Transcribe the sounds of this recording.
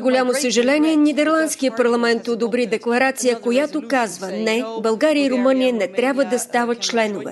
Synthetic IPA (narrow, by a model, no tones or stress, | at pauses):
ɡolʲamosəʒɛlɛniɛnid̪ɛɾlˠant̪skijəpɐɾlˠɐmɛnt̪od̪obɾid̪ɛklˠɐɾat̪sijəkojat̪okazvənɛbɐlˠɡaɾijəiɾomɤnijənɛt̪ɾʲabvəd̪ɐst̪avət̪̚t͡ʃlɛnovɛ̰